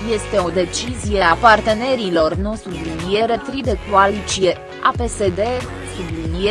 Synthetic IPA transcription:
je̞st̪e̞o̞d̪e̞t͡ʃizije̞apart̪e̞ne̞ɾilo̞rno̞st̪ɾiblinije̞ɾet̪ɾid̪ekualit͡ʃije̞ | ape̞se̞d̪e̞ | sublinije

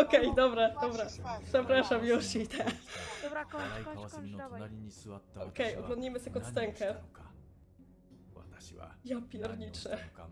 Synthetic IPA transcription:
ɔkɛjd̪ɔbɾad̪ɔbɾapʂɛpɾaʂamjuɕit̪ʰɛ | ɔkɛjɔɡlɔ̃nd̪ɲijmɘsakɔt̪st̪ɛŋkɛ | japʲjɛɾɲit͡ʂɛ

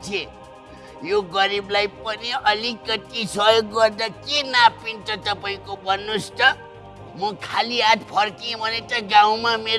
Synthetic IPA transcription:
tʰe | joɡʌɾiblajpʌniʌlikʌt̪isʌɦjoɡːʌrd̪akenapint͡sʰʌt̪ʌpaĩkobʱʌnːust̪ʌ | mʌkʰaliat̪pʰʌrkĩbʱʌnet̪ʌɡãw̃mameɾ

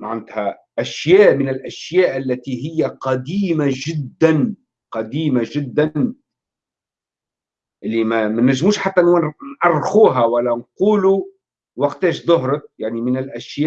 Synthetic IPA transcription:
maʕand̪hæ | ʔæʃjæːʔmɪnɪlʔæʃjæːʔalːæt̪iɦɪjːæqɑd̪iːmaʒɪd̪ːan | qɑd̪iːmaʒɪd̪ːan | ʔɪlːimæmænːæʒːmuːʃħat̪ːænʔɑrˤːxuːɦæwælːænquːlu | wɑqt̪ɛːʃðˤʊɦɾɪk̚jaʕnimɪnɪlʔæʃjæːʔ

